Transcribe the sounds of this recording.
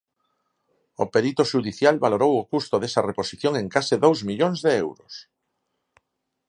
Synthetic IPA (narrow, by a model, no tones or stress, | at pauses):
o̰peɾit̪oʃuðiθjalβaloɾowʊkust̪oðesɐreposiθjõŋeŋkasɪðowzmiʎoŋzðeewɾʊs